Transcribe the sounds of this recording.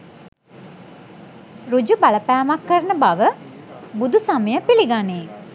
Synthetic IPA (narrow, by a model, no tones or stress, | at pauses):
ɾud͡ʒubaləpæːmakːəɾənəbaʋəbud̪usaməjəpiliɡane